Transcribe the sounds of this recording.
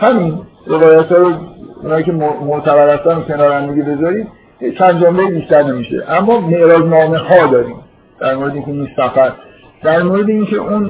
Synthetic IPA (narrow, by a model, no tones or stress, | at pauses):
hæmin | re̞vɒːjæt̪hɒːɾoṵnɒːicʰe̞omoʔt̪ʰæbæɾhæst̪ænokʰʲe̞nɒːɾænd̪eɡibe̞zɒɾiːd̪ | jet͡ʃʰænd̪d͡ʒombejibiʃt̪æɾne̞miʃḛʔæmːɒːme̞ʔɾɒːznɒːme̞hɒːd̪ɒːɾiːm | d̪̥æɾmoɾeeiŋkʰeinuʃsæfæɾ | d̪̥æɾmoɾe̞d̪eiŋcʰe̞̰ʔun